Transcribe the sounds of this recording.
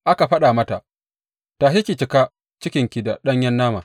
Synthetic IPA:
ʔa˦ka˨ɸɐ˦ɗa˨mɐ˦ta˨ʔ | taː˨ɦi˦kʲi˨t͡ʃɪ˨ka˦ | t͡ʃɪ˦kʲɪ˨ŋkʲi˨da˨ɗɐ˦ɲjɐ˦nːaː˦ma˨

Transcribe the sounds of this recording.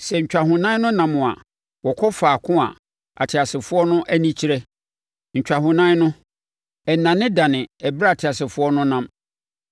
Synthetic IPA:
sɛ˨ɲ̩˨t͡ɕᶣa˨ɦʊ̃˨nã˦nʊ̃˦nã˨mʊ̃˨a̰˨ | wɔ˨kʰɔ˦faː˨kʰʊ̃˦a̰˨ | a̰˨tʰɪ˨a˨sɪ˨fʊ˦ɔ˦nʊ̃˦ʔæ˦nĩ˦t͡ɕʰi˦ɾɛ˦ | ɲ̩˨t͡ɕᶣa˨hʊ̃˨nã˦nʊ̃˦ | ɛ˨nã˨nɪ̃˦da˨nɪ̃˨ɛ˨bɾa˦a˨tʰɪ˨a˨sɪ˨fʊ˦ɔ˦nʊ̃˦nã˦m

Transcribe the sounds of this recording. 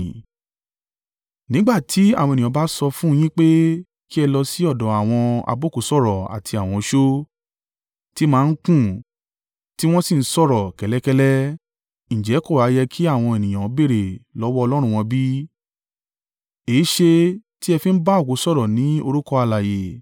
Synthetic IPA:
nĩ˨˦ɡ͡ba˦˨tʰi˨˦a˦˨wɔ̃˧e˨ĩ˨ã˨˧ba˦sɔ˧fũ˦˧j̃ĩ˦k͡pe˦ | ki˦ɛ˧lɔ˧si˦ɔ˦˨dɔ̃˨˦a˨w̃ɔ̃˧a̰˧bo˦˨ku˨˦sɔ˦˨ɾɔ˨a̰˨tʰi˧a˨w̃ɔ̃˧ʃo˦ | ti˦mãː˦˧˦kũ˦˨ | ti˦w̃ɔ̃˦si˦˨n̩˦sɔ˦˨ɾɔ˨kɛ˨lɛ˨˦kɛ˧lɛ˦ | ñ̩˨d͡ʒɛ˨˦kɔ˦˨wa˨˦jɛ˧kʰi˦a˦˨w̃ɔ̃˧e˨nĩ˨j̃ã˨˦be˦˨ɾe˨lɔ˨˦wɔ˦ɔ˧lɔ˦ɾ̃ũ˧w̃ɔ̃˧bi˦ | e˨˦ʃe˧ti˦ɛ˧fĩ˦n̩˦ba˦o˦˨ko˨˦sɔ˦˨ɾɔ˨nĩ˨˦o˧ɾu˦kɔ˧a˧la˨je˨

